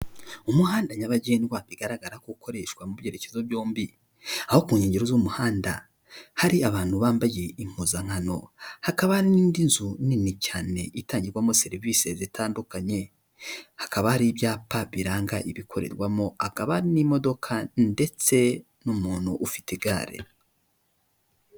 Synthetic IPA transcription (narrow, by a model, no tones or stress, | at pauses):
umuɦaːndaɲaβaɟeːnwaβiɡaɾaɡaɾakukʰo̞ɾe̞ʃkwamuβjeɾe̞cezoβjoːmbi | aho̞kuːɲeːɲɟeɾozumuhaːnda̰ | haɾiaβaːn̥huβaːmbaje̞iŋ̥uzaŋ̥hano̞̰hakaβahaɾiniːndinzuninicaːne̞ʔitaːɲɟiɾɡwamo̞se̞ɾiviːse̞zitʰaːndukaɲe̞ | hḁkaβahaɾiβjaːpaβiɾaːŋɡaʔiβikʰo̞ɾe̞̰ɾɡwamo̞akaβaɾinimo̞do̞kʰande̞t͡se̞ | numuːn̥huʔːfi̥tiɡa̰ːɾḛ